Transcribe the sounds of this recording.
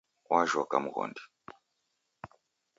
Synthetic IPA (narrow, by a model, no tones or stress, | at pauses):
wʔaʒɔkamuɣɔ̰ndi